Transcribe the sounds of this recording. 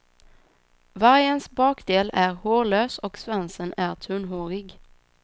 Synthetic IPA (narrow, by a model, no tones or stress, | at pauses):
vaɾjənsbɑːkd̪eːlæɾhoːɭøːsɔksvansənæɾt̪ʰɵnɦoːɾɪɡ